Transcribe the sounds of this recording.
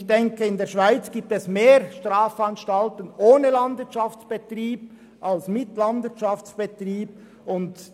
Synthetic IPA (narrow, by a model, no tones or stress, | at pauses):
çd̥ɛŋkəɪndeːʃv̥aɪt͡sɡ̥iːp̚tɛsmeːɾʃtʁaːfɑnʃtɑltənʔoːnəlɑndvɪɐtt͡ʃɑft͡sb̥etriːb̥̚ | ʔɑlsmɪtlɑndvɪɐtt͡ʃɑft͡sb̥etriːb̥̚ | ʊnd